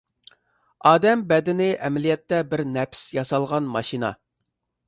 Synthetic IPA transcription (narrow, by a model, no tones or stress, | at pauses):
ɑːd̪ɛmbɛd̪ɪnɪʔɛmɛlijɛt̪ːɛbɪɾnɛpsjɑsɑlˠʁɑnmɑʃinɑ̰